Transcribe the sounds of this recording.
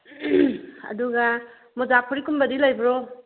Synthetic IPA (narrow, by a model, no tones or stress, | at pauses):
ɐ̰duɡa | mɔd͡ʒakpʰɔɾikumbɐdilajbɾo